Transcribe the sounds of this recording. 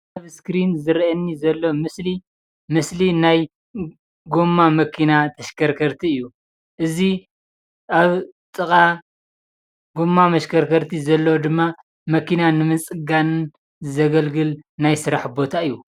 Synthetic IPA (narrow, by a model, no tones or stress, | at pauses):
aβskɾinzɨɾʔɐnːizɐlːomɨsli | mɨslinaj | ɡo̞mːamɐkʰinat̪ʰɐʃkʰɐɾkʰɐɾt̪ʰiɨjːu | ʔɨzi | ʔaβt̪ʼɨkʼa | ɡomːamɐʃkʰɐɾkʰɐɾt̪ʰizɐlːɐwd̪ɨmːa | mɐkinanɨmɨnt͡sʼɨɡanɨn | ɨzɐɡɐlɡɨlnajsɨɾaħbo̞t̪ʰaɨjːu